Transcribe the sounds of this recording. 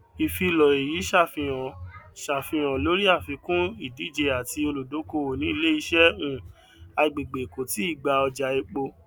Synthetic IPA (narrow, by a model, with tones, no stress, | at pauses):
i˨fi˧lɔ˨e˨ji˨˦ʃa˦˨fĩ˧j̃ɔ̃˨ʃa˨fĩ˧j̃ɔ̃˨lo˨˦ɾi˦a˦˨fĩ˧kũ˦i˦˨di˨˦˨d͡ʒe˧a˨ti˧o˧lo˨do˨˦ko˧˦o˨nĩ˨˦i˦˧le˦i˧˦ʃɛ˦ũ˦˨ | a˧˨ɡ͡be˨ɡ͡be˨ko˨ti˨˦i˦˨ɡ͡ba˧˨ɔ˧d͡ʒa˨e˧k͡po˧